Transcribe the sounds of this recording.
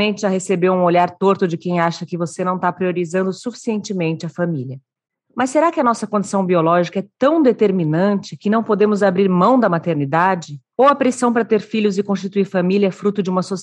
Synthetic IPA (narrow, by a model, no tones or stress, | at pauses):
ẽnt͡ʃɪahesebeɾũoʎaɾt̪oɾt̪ʊd͡ʒɪkẽj̃aʃɐkɪvosenɐ̃w̃t̪apɾioɾizɐ̃nd̪ʊsufi̥siẽnt͡ʃɪmẽnt͡ʃɪɐfamiljɐ | mɐsːeɾakɪɐnɔsɐkõd͡ʒi̥sɐ̃w̃biolɔʒikɐɛt̪ɐ̃w̃d̪et̪eɾminɐ̃nt͡ʃɪkɪnɐ̃w̃pod̪ẽmʊzabɾiɾmɐ̃w̃d̪ɐmat̪eɾnid̪ad͡ʒɪ | owɐpɾesɐ̃w̃pɾɐt̪eɾfiʎʊzɪkõst͡ʃit̪uiɾfamiliɐɛfɾut̪ʊd͡ʒɪũmɐsos